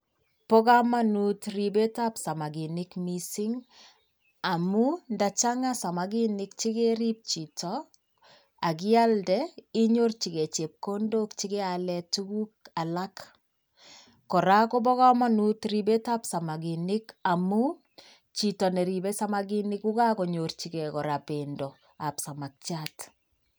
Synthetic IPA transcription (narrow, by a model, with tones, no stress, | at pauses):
pɔ˦ka˦ma˦nu˦tri˨be˦ta˦psa˨ma˨ɡi˨nɪ˦kmi˨sɪ˦ŋ | a˨mu˦nda˨t͡ʃa˦ŋasa˨ma˨ɡi˦nɪk̚t͡ʃi˦ɡe˦ɾi˦p̚t͡ʃi˨tɔ | a˨ɡɪ˦a˦ldɛi˦ɲo˦rt͡ʃi˨ɡe˨t͡ʃe˨p̚ko˦ndo˦kt͡ʃɪ˦ɡɛ˦alɛtu˦ɡu˦ka˨lak | kɔ˨ɾa˦kɔ˦bɔ˦ɣa˦manu˦tɾi˨be˦ta˦psa˨maɡinɪ˦kamu˦ | t͡ʃitɔ˨nɛ˨ɾi˨be˦sa˦maɡinɪ˦ku˦ka˦ko˨ɲort͡ʃi˨kɛkɔ˨ɾa˨pendɔ | a˨psa˨ma˨k̚t͡ʃat